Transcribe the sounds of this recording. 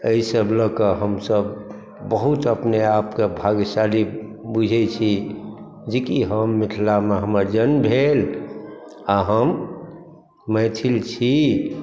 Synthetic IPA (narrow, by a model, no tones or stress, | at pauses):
əisəbləkəɦəmsəb | bəɦut̪əpneapkebʱaɡsalibud͡ʒʱɛt͡ʃʰi | d͡ʒekiɦəmːiʈʰlameɦəməɾd͡ʒənbʱel | aɦəm | mət̪ʰilt͡ʃʰi